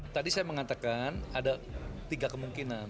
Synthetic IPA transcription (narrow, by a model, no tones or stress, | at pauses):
t̪adisajaməŋat̪akanadat̪iɡakəmuŋkinan